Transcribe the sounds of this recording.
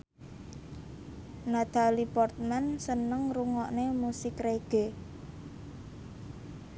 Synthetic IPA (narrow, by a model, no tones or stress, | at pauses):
nat̪alipɔrt̪̚mɛnsənəŋruŋɔʔnemusɪkreɡ̥e̤